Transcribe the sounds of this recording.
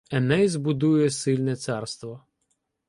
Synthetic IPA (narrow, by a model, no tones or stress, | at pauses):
ɛnɛzbʊd̪ujɛsɪlʲnɛt̪sɑrst̪ʋɔ